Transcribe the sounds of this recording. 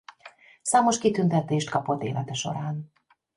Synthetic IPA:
saːmo̞ʃkit̪ynt̪ɛt̪eːʃt̪kɒpo̞t̪ːḛːlʔɛt̪ɛʃo̞̰ɾaːn

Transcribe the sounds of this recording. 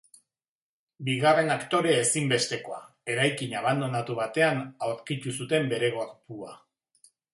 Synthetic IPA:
biɣare̞nakt̪o̞ɾe̞ːsimbe̞st̪e̞ko̞a | e̞ɾajkiɲaβ̞and̪o̞nat̪uβat̪e̞anaoɾkit̪usut̪e̞mbe̞ɾe̞ɣokpua̰

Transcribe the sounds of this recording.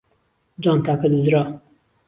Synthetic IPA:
d͡ʒɑːnt̪aːkɐd̪ɨzɾɑː

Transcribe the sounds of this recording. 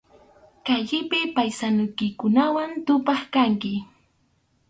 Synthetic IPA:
kaʎɪpɪpajsanʊjkɪkʊnawant̪ʊpɑχkaŋkɪ

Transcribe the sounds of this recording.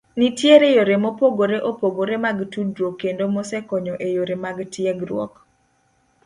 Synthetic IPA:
nitjeɾejoɾemopoɡoɾeʔopoɡoɾemaɡtudɾokendomɔsɛkɔɲɔʔejoɾemaɡtjɛɡɾwɔ̰k

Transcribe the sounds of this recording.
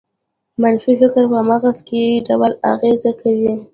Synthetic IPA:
manfifɪkɾpəamaɣaskeɖawala̰ɣezakʰawi

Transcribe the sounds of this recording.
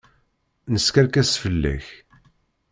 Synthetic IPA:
nəskaɾkæsfəlːæ̰ç

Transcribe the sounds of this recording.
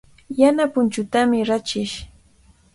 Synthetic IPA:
janapʊnt͡ʃʊt̪amɪɾat͡ʃɪʃ

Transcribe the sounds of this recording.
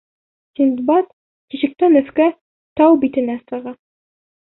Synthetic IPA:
sʲind̪bɑt̪ | kiɕɘ̆k̚t̪ænɵ̆fkæ | t̪ɑwbit̪ɘ̆næsɤ̆ʁɑ

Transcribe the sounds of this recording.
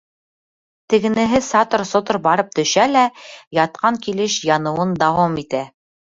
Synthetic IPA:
t̪ɘ̆ɡɘ̆nɘ̆ɦɘsɑt̪ŏɾsŏt̪oɾbɑɾɤp̚t̪ɵ̆ʃælæjɑt̪̚qʰɑŋkilɘʃjɑnɤ̆wɤnd̪ɑwɑmit̪æ

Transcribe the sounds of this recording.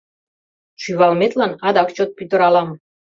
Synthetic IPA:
ʃyβɑlmet̪lɑnɑd̪ɑkt͡ɕot̪̚pyt̪ə̆ɾɑlɑm

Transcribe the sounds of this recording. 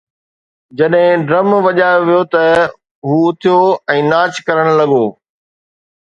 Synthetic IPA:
d͡ʑɐɗɦɪ̃ɖɾɐmʋɐʄaːjoʋijot̪ɐ | ɦuːʊt̪ʰijoɛ̃ːnaːt͡ɕkɐɾəɽ̃lɐɠoː

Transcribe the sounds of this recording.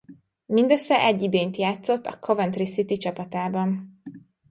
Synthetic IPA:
mind̪øsːɛʔɛɟːid̪eːnt̪jaːt̪so̞t̪ːɒ̰kʰo̞vɛnt̪risit̪it͡ʃɒpɒt̪aːbɒn

